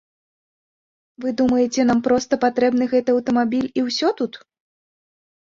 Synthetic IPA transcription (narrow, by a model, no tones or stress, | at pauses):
vɨd̪umɐjɛt͡sʲɛn̪ampɾɔst̪ɐpat̪ɾɛbn̪ɨɣɛt̪ɨɐwt̪ɐmabʲilʲiwsʲɔt̪ut̪